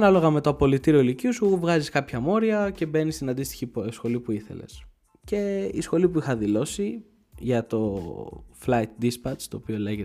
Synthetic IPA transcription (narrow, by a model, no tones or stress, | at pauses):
ɐnɐlo̞ɣɐme̞t̪oɐpo̞lit̪iɾio̞iliciusuvɣɐziskɐpçɐmo̞ɾiɐce̞be̞nist̪inɐnd̪ist̪i̥çiposxo̞lipuiθe̞̰le̞̰s | ce̞isxo̞lipuixɐðilo̞si | ʝɐt̪o̞ | flɐjt̪̚d̪ispɐt͡st̪o̞ːpioleʝet̪